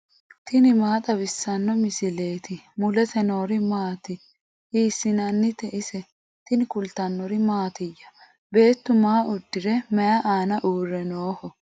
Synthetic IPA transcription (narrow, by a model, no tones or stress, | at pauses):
t̪ɪnɪmaːt̪ʼɐbɪsːɐnːɔmɪsɪle̞ːt̪ɪmʊlɛt̪ɛno̞ːɾɪmaːt̪ɪ | iːsːɪnɐnːɪt̪ɛʔɪsɛ | t̪ɪnkʊlt̪ɐnːɔɾɪmaːt̪ɪjːɐ̥ | be̞ːt̪ːʊmaːʔʊd̪ːɪɾɛmɛjɐʔaːnɐʔuːrːɛnoːhɔ